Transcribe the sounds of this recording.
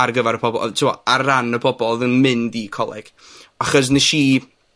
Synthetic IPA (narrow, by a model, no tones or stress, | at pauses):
arɡəvaɾəpʰɔbɔ̰tʰɪmɔ̰aranəbʰɔbɔlˠðənmɪndikʰɔlˠɛ̰ɡ̥ | aχɔs̬nɛʃi